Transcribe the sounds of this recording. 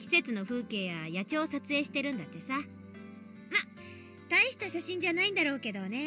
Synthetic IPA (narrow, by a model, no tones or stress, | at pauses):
kʲi̥se̞t͡sɨno̞ɸɯ̟ːke̞ːβajat͡ɕo̞ːsat͡sɨe̞ːɕi̥t̪e̞ɾɯ̟̃nd̪at̪ːe̞sa | ma | t̪aiɕi̥t̪aɕaɕĩɲ̟d͡ʑanaĩnd̪aɾo̞ːke̞d̪o̞ne̞